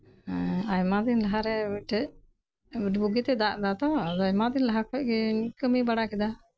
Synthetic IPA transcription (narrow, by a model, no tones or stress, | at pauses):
ajmad̪inlaɦaɾɛbiʈɛʔ | biʈbuɡit̪ɛd̪aʔd̪at̪ɔd̪ajmad̪inlaɦakʰɔc̚ɡɛkəmibaɽakɛd̪a